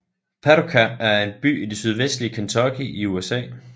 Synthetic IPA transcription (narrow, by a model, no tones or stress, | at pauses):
pʰæɾokʰæːɐe̝nb̥y̰ːid̥esyð̞ˠʋesd̥liəkʰent͡sʰɒɡ̥iʔiuesɛ̰ː